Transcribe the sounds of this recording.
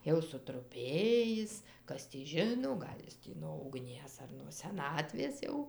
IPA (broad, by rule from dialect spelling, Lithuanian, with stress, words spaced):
ˈjɛʊ sʊtrʊˈpʲeːjɪs ˈkɐs tʲiː ˈʒʲɪnoː ˈɡɐlʲ jɪs tʲiː noː ʊɡˈnʲiɛs ɐr nuɔ sʲɛˈnɑːtʲʋʲeːs ˈjɛʊ